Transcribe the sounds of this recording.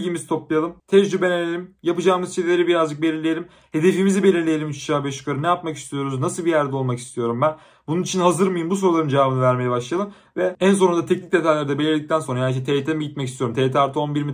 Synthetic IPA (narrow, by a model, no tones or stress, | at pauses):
ɟimizt̪ʰo̞plˠajalˠɯmt̪ʰɛd͡ʒd͡ʒybenelelʲimjapɯd͡ʒaːmɯzt͡ʃʰed̪ilʲe̞ɾibiɾazd͡ʒɯk̚belʲiɾlʲejelʲim | he̞d̪efiːmizibe̞lʲiɾlʲejelʲimyt͡ʃʰd͡ʒaːbɛʃy̥kʰaɾɯmnɛjapmaki̥st̪ʰijo̞ɾuznasɯlˠbijæɾd̪ɛo̞lˠmaki̥st̪ʰijo̞ɾumbæn | bununit͡ʃʰinɦazɯɾmajɯmbus̬oɾulˠaɾɯmd͡ʒevaːbɯnavæɾmejɛbaʃlˠajalˠɯm | vɛæns̬o̞ɾund̪at̪ʰɛcnʲic̚d̪e̞t̪ʰajlʲeɾid̪ɛbelʲiɾd̪ic̚t̪ʰænso̞nɾajanʃ̬ɛt̪ʰeːt̪ʰemiɟit̪̚mɛcist̪ʰijoɾumt̪ʰeːt̪ʰaɾt̪ʰɯo̞nbiɾmi